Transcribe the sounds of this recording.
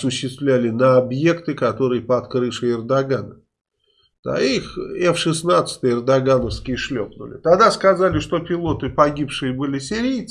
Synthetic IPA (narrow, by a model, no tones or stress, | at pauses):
sʊɕːɪst̪vlʲælʲɪnəɐbje̞kt̪ɨkɐt̪o̞ɾɨjəpɐt̪kɾɨfʂɨɪrd̪ɐɡanə | d̪̥a̰ixɛfʂɨsnat̪sɨ̥t̪əjɪrd̪ɐɡanəfskʲɪjəʂlʲopnʊ̰lʲɪ̰t̪ɐɡd̪askɐzalʲɪʂt̪o̞pʲɪlˠo̞t̪ɨpɐɡʲipʂɨjəbɨlʲɪsʲɪɾʲijt̪